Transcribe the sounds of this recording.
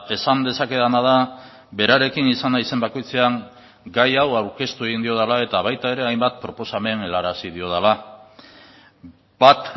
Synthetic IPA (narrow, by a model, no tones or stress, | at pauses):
e̞sand̪e̞sake̞ðanað̞a | be̞ɾaɾe̞kinisanaise̞mbako̞jt͡se̞aŋ | ɡajawawɾke̞st̪ue̞ɣind̪io̞ð̞alae̞t̪aβajt̪ae̞ɾe̞ajmbat̪̚pɾo̞po̞same̞ne̞laɾasið̞io̞ð̞ala | bat̪